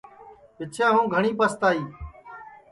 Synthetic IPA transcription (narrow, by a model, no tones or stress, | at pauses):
ʋɪt͡ʃʰjãːɦũːɡʱəɳiːpəst̪aːiː